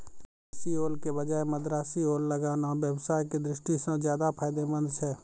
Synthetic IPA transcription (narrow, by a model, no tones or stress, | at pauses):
sioːlkebəd͡ʒaːemɐd̪ɾaːsioːlːɐɡaːnaʋjəwsaːjked̪ɾɪʃʈisãzjaːd̪apʰaːjd̪emə̃nd̪t͡ʃʰɛː